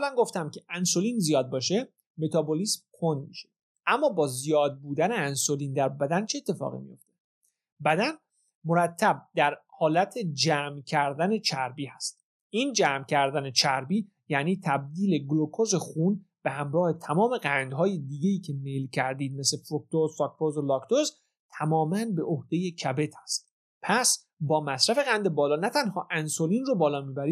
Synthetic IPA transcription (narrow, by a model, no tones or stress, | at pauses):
ælænɡo̞ft̪æmcʰe̞ʔænsoliːnzijɒːd̪̚bɒːʃe̞ | me̞t̪ʰɒːboliːsmkʰo̞nd̪̚mḭʃe̥ | ʔæmːɒːbɒːzijɒːd̪̚buːd̪æne̞ænsoliːnd̪æɾbæd̪ænt͡ʃʰeeːt̪ʰːe̞fɒ̰ːɣḭmḭjo̞̰ft̪e̞ | bæd̪æn | mo̞ɾæt̪ʰːæb̚d̪̥æɾhɒːlæt̪ʰed͡ʒæːmcʰæɾd̪æne̞t͡ʃʰæɾbiːhæst̪̚ | iːnd͡ʒæːmcʰæɾd̪æne̞t͡ʃʰæɾbiː | jæniːt̪ʰæb̚d̪iːle̞ɡlokʰoze̞xun | b̥ehæmɾɒːhe̞t̪ʰæmɒːme̞ɡænd̪ɦɒːjed̪iːɡejiːcʰe̞melcʰæɾd̪iːd̪̚me̞slefok̚t̪ozfɒkpʰozolɒkt̪oz | t̪ʰæmɒːmænbe̞ʔohd̪e̞je̞cʰæbe̞t̪ʰæ̥st̪ | pʰæs | bɒːmæsɾæfe̞ɣænd̪ebɒːlɒːnæt̪ʰænhɒːʔænsoliːnrobɒːlɒːmiːbæɾi̥ː